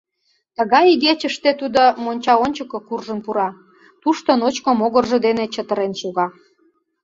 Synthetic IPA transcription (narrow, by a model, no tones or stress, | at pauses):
t̪əɣɑjiɣet͡ɕəʃt̪et̪ud̪omonʲt͡ɕɑonʲt͡ɕəkokurʒənpuɾɑ | t̪uʃt̪onot͡ɕkomoɣərʒə̆d̪enet͡ɕət̪ə̆ɾenʃuɣɑ